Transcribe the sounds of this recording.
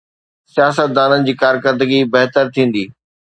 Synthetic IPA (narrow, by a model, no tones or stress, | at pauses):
sijaːsət̪̚d̪aːnənɪ̆d͡ʑiːkaːɾkəɾd̪əɡibɐɦt̪əɾt̪ʰĩːn̆d̪iː